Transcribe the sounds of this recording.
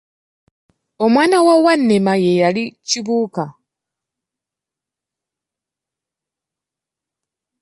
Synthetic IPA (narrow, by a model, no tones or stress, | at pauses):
o̞mwaːnawawanːemaje̞jaliciβuːka